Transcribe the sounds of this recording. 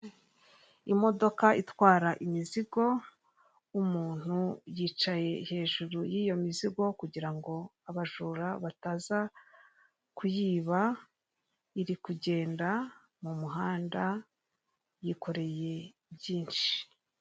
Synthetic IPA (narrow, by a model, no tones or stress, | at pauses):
imo̞do̞kaʔitwaːɾaʔimiziɡo̞ | umuːn̥hujiːt͡ʃaje̞he̞ːʒuɾujiːjo̞miziɡo̞kuɟiɾaŋɡo̞aβaʒuːɾaβataza | kujiːβa | iɾikuɟe̞ːnda | mumuɦaːnda | jiko̞ɾe̞je̞ | bjiːnʃi̥